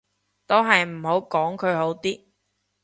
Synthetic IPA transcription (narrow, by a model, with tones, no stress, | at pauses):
t̪o˥ɦɐ˨jm̩˨˩ho˨˥wkɔː˨˥ŋkʰɵ˨˧ho˨˥wt̪iː˥